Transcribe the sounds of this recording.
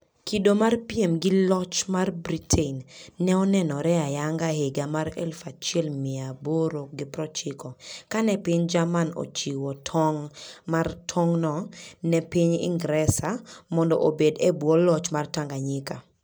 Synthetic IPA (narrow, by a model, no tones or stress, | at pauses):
kidomarpiemɡɪlɔt͡ʃmarbɾitʰenːɛɔnɛnɔɾɛajaŋɡaheɡamaɾɛ̰lfat͡ʃɪɛlmɪaboɾoɡɪpɾɔt͡ʃɪkɔkanɛpɪɲd͡ʒamano̰t͡ʃiwɔtʰɔŋmartʰɔŋnɔnɛpɪɲɪ̰ŋɡɾɛsamɔndɔʔobedebwɔlɔt͡ʃmartaŋɡaɲɪka